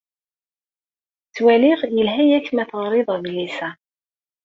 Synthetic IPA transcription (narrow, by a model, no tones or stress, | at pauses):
t͡sːwælɪʁjəlɦæjæçmæθəʁɾˤɪðˤðlisæ